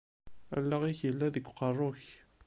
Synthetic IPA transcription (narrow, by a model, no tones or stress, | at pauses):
æ̰lːæʁiçjəlːæðəɡʷqərˤːoç